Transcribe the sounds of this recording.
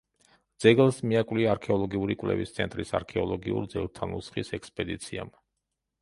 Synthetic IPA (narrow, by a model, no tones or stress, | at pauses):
d̪z̥ɛɡlˠsmiakʼvliaaɾkʰɛɔlˠɔɡiuɾikʼwlɛ̰vist̪sʰɛnt̪ʼɾisaɾkʰɛɔlˠɔɡiṵɾd̪zɛɡlˠt̪ʰanusχisɛkspʼɛd̪it̪sʰiam